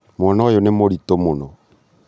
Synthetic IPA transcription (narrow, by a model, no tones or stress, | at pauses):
mwɔnɔjonemoɾitomonɔ